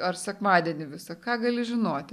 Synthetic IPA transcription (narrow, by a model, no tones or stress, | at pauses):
ɐrsʲɛkmɑːd̪ʲiɛnʲɪʋʲɪsɐkɑːɡɐlʲɪʒʲɪnoːt̪ʲ